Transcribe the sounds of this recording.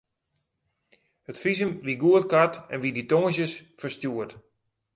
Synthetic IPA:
hətfizəmʋiɡuətkatɛ̰nʋiditoŋəs̬jəsfərstjuət

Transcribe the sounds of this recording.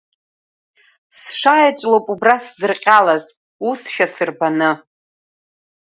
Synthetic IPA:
sʂajat͡ʃʷʼlopʼubraszɨrqʲʼalaz | usʃᶣasɨrbanɨ

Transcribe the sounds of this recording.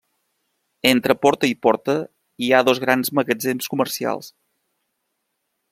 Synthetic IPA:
ent̪ɾəpɔɾt̪əipɔɾt̪ə | iaðozɣ̞ɾanzməɣəd͡zenskuməɾsia̰lˠs

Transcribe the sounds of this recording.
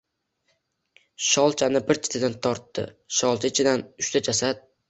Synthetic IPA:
ʃɒlˠt͡ʃʰanɪbɪɾt͡ʃ̪ʰɪ̥t̪ʰɪd̪ant̪ʰɒɾt̪ːɪ̰ | ʃɒlˠt͡ʃʰat͡ʃʰɪd̪anʊʃt̪ʰad͡ʒasad̪̚

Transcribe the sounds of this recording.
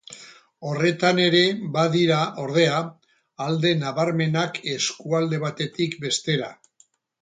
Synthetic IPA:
o̞re̞t̪ane̞ɾe̞βaðiɾaʔo̞ɾð̞e̞aː | ld̪e̞naβaɾme̞nake̞skuald̪e̞βat̪e̞t̪ikbe̞st̪e̞ɾa̰

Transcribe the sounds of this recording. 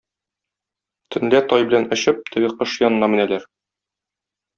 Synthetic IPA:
t̪ʰɵ̆nlæt̪ɒjbɘ̆lænɒ̆ɕɘp̚t̪ʰɘɡɘqɤʃjɒnɤ̆nɑmɘ̆nælæɾ

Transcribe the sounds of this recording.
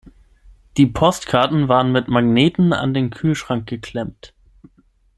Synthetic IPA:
d̥iːpʰɔstkʰaɐtn̩vaːʁənmɪtmaɡneːtn̩a̰ndeːnkʰyːlʃʁ̥aŋk̚ɡ̥əkʰl̥ɛmt

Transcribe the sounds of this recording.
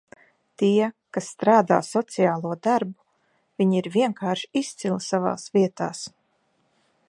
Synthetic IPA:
t̪iɛkasːt̪ɾaːd̪a̰ːsɔt̪sijaːlˠuɔd̪aɾbu | viɲiɾvʲiɛŋkaːɾʃist̪silˠsava̰ːsviɛt̪aːs

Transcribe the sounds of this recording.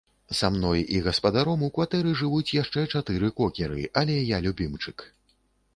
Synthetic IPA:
samnɔjiɣɐspɐd̪aɾɔmukvat̪ɛɾɨʐɨvut͡sʲjaʂt͡ʂɛt͡ʂat̪ɨɾɨkɔkʲɛɾɨ̰ʔɐlʲɛjalʲubʲimt͡ʂɨk

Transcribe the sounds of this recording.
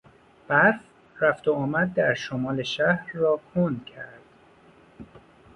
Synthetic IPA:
b̥æɾf | ræft̪oɒːmæd̪̚ːæɾʃomɒːleʃæhɾːɒːkʰond̪̥cʰæɾd̪̥

